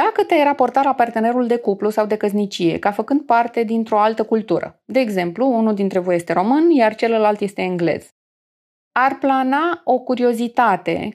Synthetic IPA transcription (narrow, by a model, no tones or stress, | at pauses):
d̪̥akət̪eajrapo̞rt̪alapart̪e̞ne̞ɾuld̪e̞kuplusawd̪e̞kəznit͡ʃije̞̰kafəkɨnd̪̚part̪e̞d̪int̪ɾo̞alt̪əkult̪uɾə̰d̪e̞ːɡze̞mpluunuld̪int̪ɾe̞voje̞st̪e̞ɾo̞mɨnjart͡ʃe̞ləlalt̪je̞st̪e̞ɨŋɡle̞̰z̥ | arplanao̞kuɾio̞zit̪at̪e̞̰